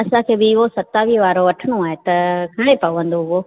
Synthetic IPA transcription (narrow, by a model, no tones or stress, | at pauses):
ɐsãkʰeːbɪɪɦosɐt̪aːʋiʋaːɾoʋɐʈʰɪɽ̃oaːɦet̪ɐkʰɐɽ̃epɐʋə̃nd̪oɦʊɦoː